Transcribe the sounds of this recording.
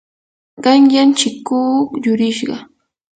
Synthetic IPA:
ɢɑŋjant͡ʃɪkːuːjʊɾɪʃɢɑ

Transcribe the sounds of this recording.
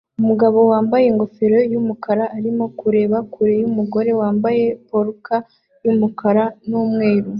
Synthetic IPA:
umuɡaβo̞waːmbaje̞ŋɡo̞feɾojumukʰaɾaːɾimo̞kuɾe̞ːβakuɾejumuɡo̞ɾe̞waːmbaje̞poɾuka | jumukaɾanumŋe̞ːɾu

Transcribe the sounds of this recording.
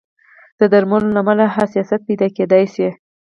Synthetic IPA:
d̪̥əd̪aɾmalolamalaɦasijɑsat̪̚pijd̪aked̪ajse

